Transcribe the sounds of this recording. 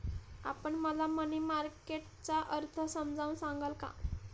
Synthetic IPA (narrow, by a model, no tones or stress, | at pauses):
a̰pəɳməlamənimaɾkeʈ̚t͡ɕaʔəɾt̪ʰəsəmd͡zaunsãŋɡəlka̰